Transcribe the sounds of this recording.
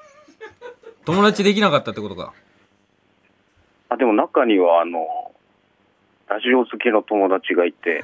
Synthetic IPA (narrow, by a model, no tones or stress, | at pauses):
t̪o̞mo̞d̪at͡ɕid̪e̞kʲinakat̪ːat̪ːeko̞t̪o̞ɡa̰ | ad̪e̞mo̞nakaɲ̟iβaːno̞ | d̪aɕioːzɨkeno̞t̪o̞mo̞d̪at͡ɕiɡait̪e̞̰